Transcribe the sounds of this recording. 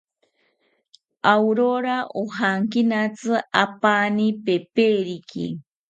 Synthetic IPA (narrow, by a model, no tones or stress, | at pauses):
awɾoɾaʔoɦaŋkinat͡sɨapanipepeɾikḭ